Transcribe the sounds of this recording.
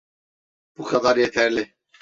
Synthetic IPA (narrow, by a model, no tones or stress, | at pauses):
b̥ukʰɑd̪aɾjɛt̪ʰæɾlɪ